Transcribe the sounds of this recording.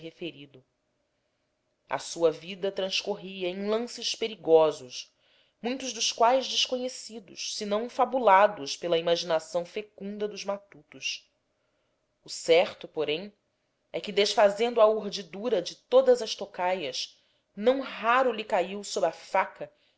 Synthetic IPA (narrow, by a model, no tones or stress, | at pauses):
ɦefeɾid̪ʊ | ɐ̰suɐvid̪ɐt̪ɾɐ̃skoɦiɐẽj̃lɐ̃sɪʃpeɾiɡɔzʊʃ | mũj̃t̪ʊʒd̪ʊʃkwajzd͡ʒɪʃkoɲesid̪ʊ̰ʃsɪnɐ̃w̃fabulad̪ʊʃpelɐimaʒinasɐ̃w̃fekũnd̪ɐd̪ʊzmat̪ut̪ʊs | ʊsɛχt̪ʊpoɾẽj̃ | ɛkɪd̪eʃfazẽnd̪ʊɐuɾd͡ʒid̪uɾɐd͡ʒɪt̪od̪ɐzɐʃt̪okajɐʃ | nɐ̃w̃ɦaɾʊlikaiwsobɾafakɐ